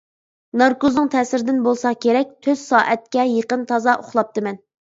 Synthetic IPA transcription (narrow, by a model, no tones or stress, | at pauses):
nɑɾkoznɨŋt̪ʰɛːsɪɾd̪ɪnbolˠsɑkʲeɾɛk̚ʲt̪ʰøz̥sɑːʔɛt̪̚kʲɛjeqənt̪ʰɑzɑʔoχlˠɑp̚t̪ɨmɛn